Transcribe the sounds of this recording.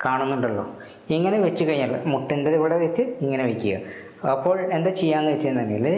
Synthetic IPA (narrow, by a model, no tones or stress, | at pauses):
kaːɳunːuɳɖɐɭːo̞̰ː | iŋːɐneʋet͡ɕːɨkɐɻiɲːaːlmuʈːindeðiʋiɽeʋet͡ɕːɨiŋːɐneʋekʲːuɣɐ̰ | ɐpːo̞ːɭe̞nd̪et͡ɕijːaːnːɨʋet͡ɕːienɐt̪ɐnɐjil